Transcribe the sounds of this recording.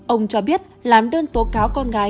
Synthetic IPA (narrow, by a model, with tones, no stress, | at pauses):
ʔə˧wŋ͡mt͡ɕɔ˧ɓi˦˥ət̚laː˨˩mɗəː˧nt̪o˨˦kaː˨˦wkɔ˧nɣaː˨˦